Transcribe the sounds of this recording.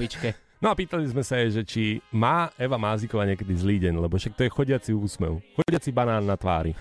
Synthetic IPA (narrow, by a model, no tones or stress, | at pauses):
it͡ʃkɛ | nɔapiːt̪alizmɛsajɛʒɛt͡ʃimaːɛʋamaːzikɔʋaɲɪɛkɛd̪izliːɟɛnlɛbɔfʃak̚t̪ɔjɛxɔɟɪat͡siuːsmɛ̰ʊxɔɟɪat͡sibanaːnːat̪ʋa̰ːɾi